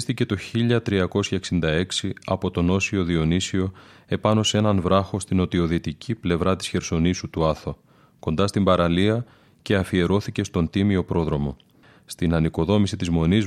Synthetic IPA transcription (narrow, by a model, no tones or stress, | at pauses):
st̪ice̞t̪o̞çiʎɐt̪ɾiɐko̞sçɐe̞ksind̪ɐe̞ksiɐpo̞t̪o̞no̞sio̞ðio̞nisio̞e̞pɐno̞se̞nɐnvɾɐxo̞st̪ino̞t̪io̞ðit̪icʰiple̞vɾɐt̪isçe̞ɾso̞nisut̪uɐθo | ko̞nd̪ɐst̪imbɐɾɐliɐ | ce̞ɐfie̞ɾo̞θice̞st̪o̞nt̪imio̞pɾo̞ðɾo̞mo̞ | st̪inɐniko̞ðo̞misit̪izmo̞niz